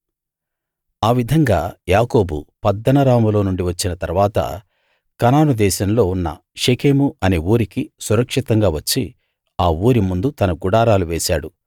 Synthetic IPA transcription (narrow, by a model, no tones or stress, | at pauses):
aːʋid̪ʱɐŋɡaːjaːko̞ːbupɐd̪ːɐnɐɾaːmulo̞ːnuɳɖiʋɐt͡ʃːinɐt̪ɐɾuʋaːt̪ɐ̰ | kɐnaːnud̪ɛːʃɐmlo̞ːunːɐ̰ | ʃekʰeːmuɐne̞ːuːɾikisuɾɐkʂit̪ɐŋɡaːʋɐt͡ʃːi | aːuːɾimund̪ut̪ɐnɐɡuɽaːɾaːluʋeːʃaːɽu